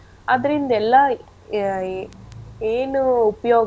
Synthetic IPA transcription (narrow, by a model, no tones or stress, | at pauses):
ɐðɪɾɐɪnd̪ɐɛlːãː | eːnɯʊpɐjoː